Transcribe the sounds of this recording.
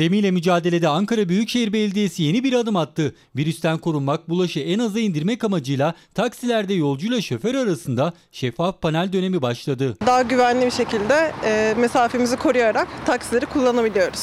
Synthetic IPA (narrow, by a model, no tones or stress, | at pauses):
d̪emijlʲɛmyd͡ʒaːd̪e̞lʲe̞d̪ɛaŋkaɾabyjycʃe̞ɦiɾbɛlʲd̪ijesije̞nibiɾad̪ɯmat̪ʰːɯ | viɾyst̪ʰænkʰo̞ɾunmak̚bulˠaʃɯɛnazaind̪iɾmɛkamad͡ʒɯjlˠat̪ʰaksilʲæɾd̪ɛjo̞lˠd͡ʒujlˠaʃeføɾaɾasɯnd̪a | ʃɛfːafpʰanælʲd̪ø̞ne̞mibaʃlˠad̪ɯd̪aːaɟyvænlʲibiʃe̞cʰilʲd̪ɛmesaːfemizikʰo̞ɾujaɾakt̪ʰaksilʲeɾikʰulˠːanabilʲijo̞ɾuz̥